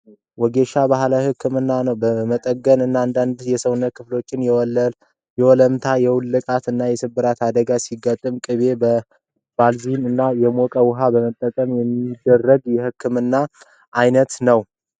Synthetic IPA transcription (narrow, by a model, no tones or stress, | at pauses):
wɔɡeʃabahlajhɨkʰːɨmɨnːanəwbəmət̪ʼəɡːənɨnːaand̪and̪jɛsəwnːət̪̚kʰɨflo̞t͡ʃːɪnjɛ | jɛwɔləmt̪ʰajɛwʊlːɨkʼat̪ɨnːajɛsɨbɨɾat̪ad̪əɡasiɡat̪ʼːɨmkʼɨβe̞bə | b̥alzinɨnːajɛmokʼəwʊɦabəmət̪ʼːəkʼəmjɛmːid̪ːərːəɡjɛhɨkʰːɨmɨnːa | ʔajnət̪nəw